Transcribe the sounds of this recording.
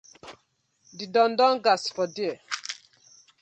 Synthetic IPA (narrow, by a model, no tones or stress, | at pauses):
didɔ̃ndɔ̃ŋɡasfɔdiɛ